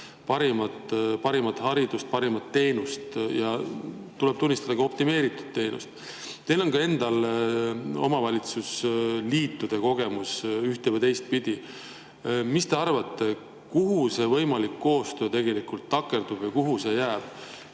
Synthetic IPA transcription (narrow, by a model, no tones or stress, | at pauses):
pɑɾimɑt̪pɑɾimɑt̪ːˑhɑɾid̪̥ust̪̚pɑɾimɑt̪ːe̞ːnust̪jɑt̪ule̞b̥̚t̪unːist̪ɑd̪ɑɡ̥ɑop̚t̪ime̞ːɾit̪ːu̥d̪̥t̪ːe̞ːnṵst̪ | t̪e̞jlo̞nkɑe̞nd̪ɑl | o̞̰mɑvɑlʲit̪susliːt̪ːud̪̥e̞ko̞ɡ̥e̞musyht̪e̞vɤjt̪e̞jst̪̚pid̪̥ʲi | mist̪e̞ɑrvɑt̪ːe̞ | kuɦuse̞vɤ̞jmɑlikːo̞ːst̪ø̞ːt̪e̞ɡe̞likult̪ːɑkːˑe̞rd̪̥ub̥vɤjkuɦuse̞jæːb̥